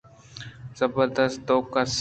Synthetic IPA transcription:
z̥əbəɾd̪əst̪̚t̪oːkəs

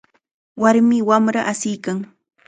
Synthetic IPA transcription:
waɾmɪwamɾaʔasɪjkaŋ

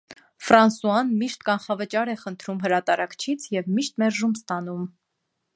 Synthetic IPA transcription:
fɾɑnsuɑnmiʃt̪kɑnχɑvət͡ʃɑɾɛχənt̪ʰɾumɦəɾɑt̪ɑɾɑkt͡ʃʰit͡sʰjɛvmiʃt̪mɛɾʒumst̪ɑn̪um

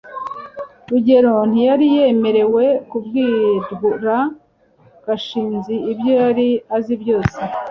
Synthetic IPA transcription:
ɾuɟe̞ɾo̞n̥ijaɾije̞me̞ɾe̞we̞kubɡiːdɡuɾa | ɡ̥aʃiːnziːbjo̞jaɾiazibjo̞ːse

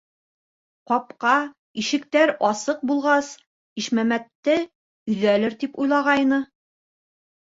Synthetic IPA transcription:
qɒp̚qɑ | iʃɘ̆kt̪æɾɒsɤq̚bulˠʁɑs | iʃmæmæt̪ːɘ | ɵ̆ðælɘɾt̪ipujlˠɑʁɑjnɤ

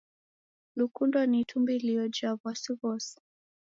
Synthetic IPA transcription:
lukundwanitʰumbiliɔd͡ʒavwasiβɔsi̥

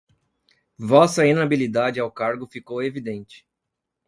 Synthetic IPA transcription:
vɔsɐenabilid̪ad͡ʒɪawkaɾɡʊfikowevid̪ẽnt͡ʃɪ̥

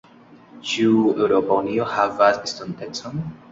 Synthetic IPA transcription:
t͡ʃiuewɾopauniohavasistontet͡son

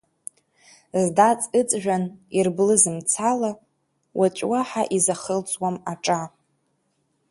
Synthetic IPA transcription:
zdat͡sʼɨt͡sʼʒᶣanirblɨzɨmt͡sʰala | wʔat͡ʃʷʼwaħaʔizaχəlt͡sʼwamaʈ͡ʂʼa

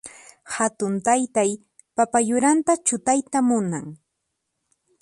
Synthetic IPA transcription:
hat̪ʊnt̪ajt̪aj | papajʊɾant̪at͡ʃʊt̪ajt̪amʊnaŋ

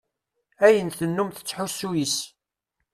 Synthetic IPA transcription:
æjənθənːumθə̥t͡sːħusːujis

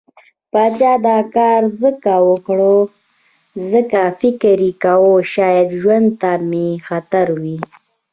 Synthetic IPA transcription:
pɑt͡ʃɑd̪ɑkɑːɾzəkawəkɽo | zəkafɪkɾikawoʃɑjad̪ʒwand̪̚t̪amexat̪aɾwi

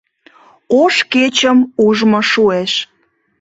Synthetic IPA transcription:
oʃket͡ɕəmuʒmoʃueʃ

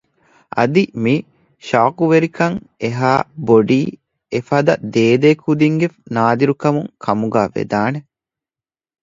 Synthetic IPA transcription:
ɐ̰d̪imi | ʃaːkuʋeɾikɐŋeɦaːboɖiː | efɐd̪ɐd̪eːd̪eːkʰud̪iŋɡenaːd̪iɾukɐmuŋkʰɐmuɡaːʋḛd̪aːne

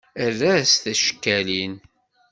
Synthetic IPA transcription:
ərːæst̪æʃə̥kːælin

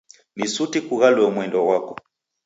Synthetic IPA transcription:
misutikuɣalwɛmwɛndɔɣwakɔ

